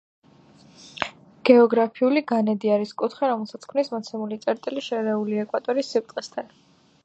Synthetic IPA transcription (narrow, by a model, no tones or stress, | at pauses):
ɡ̥ɛɔɡɾapʰiuliɡanɛd̪iaɾiskʼut̪ʰχɛɾɔmɛlˠsat̪sʰkʰmnismɔt̪sʰɛmulit̪sʼɛɾt̪ʼiliʃɛɾɛuliɛkʼwat̪ʼɔɾisːipɾt̪ʼqʼɛst̪ʰan